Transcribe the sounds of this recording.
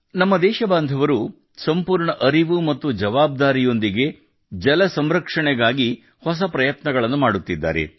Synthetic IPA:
nɐmːɐd̪ɛːʃɐbaːnd̪ʱɐʋɐɾu | sɐmpuːɾɳɐʔɐɾiʋumɐt̪ːud͡ʒɐʋaːb̚d̪aːɾijo̞nd̪iɡe̞ | d͡ʒɐlɐsɐmɾɐkʂɐɳɛɡaːɡi | hɔs̬ɐpɾɐjɐt̪nɐɡɐɭɐnːumaːɽut̪ːid̪ːa̰ːɾe̞̰

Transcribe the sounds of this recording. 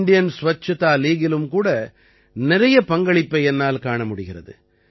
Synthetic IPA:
nɖɪjɐnsʊʋɐt͡ʃːɐt̪aːliːɣɪlɯmkuːɽɐ | nɪɾɐjɐpɐŋɡɐɭɪpːɐɪɛnːaːlkaːɳɐmʊɽɪɣɪrɐ̰ðɯ̰

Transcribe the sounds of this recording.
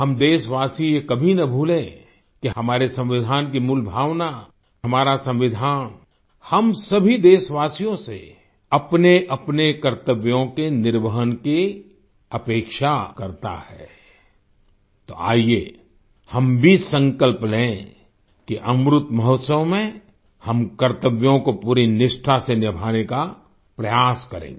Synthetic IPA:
hɐmd̪eːʃʋaːsijekɐbʱinɐbʱuːlẽ | kiɦɐmaːɾesɐ̃mʋɪd̪ʱaːnk̬imulbʱaːʋna | ɦɐmaːɾasɐ̃mʋɪd̪ʱaːn | hɐmsɐbʱid̪eːʃʋaːsijõsḛ | ɐpneʔɐpnekɐɾt̪əʋjõkenɪɾʋəɦənke | ɐpeːkʃakɐɾt̪a̰hɛ | t̪oa̰ːie | hɐmbʱisə̃ŋkəlplẽẽ | kiʔɐmɾʊt̪mɐɦɔːt̪səʋmẽ | hɐmkəɾt̪əʋjõkopuːɾinɪʃʈʰasenɪbʱaːneka | pɾɐjaːskɐɾḛ̃ːŋɡ

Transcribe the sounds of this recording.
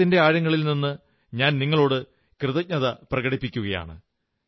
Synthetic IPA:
inde̞aːɻjɐŋːɐɭilninːɨ | ɲaːnniŋːɐɭo̞ːɽɨ | krɨðɐɲɐðɐprɐɣɐɽipːikʲːuɣɐja̰ːɳɨ̰

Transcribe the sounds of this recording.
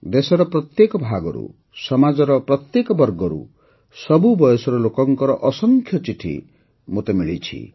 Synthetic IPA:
d̪esɔɾɔpɾɔt̪jekɔbʱaɡɔ̰ɾṵ | sɔmad͡ʒɔɾɔpɾɔt̪jekɔbɔɾɡɔɾṵ | sɔbubɔjɔsɔɾɔlokɔŋkɔɾɔʔɔsɔŋkʰjɔt͡ʃiʈʰḭ | mot̪emiɭit͡ʃʰḭ

